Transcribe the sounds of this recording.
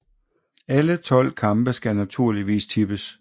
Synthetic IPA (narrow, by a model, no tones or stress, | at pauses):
ælət͡sʰɒ̽l̰kʰɑ̈mb̥əsɡ̥ænæt͡sʰuɐ̰liʋḭːst͡sʰib̥əs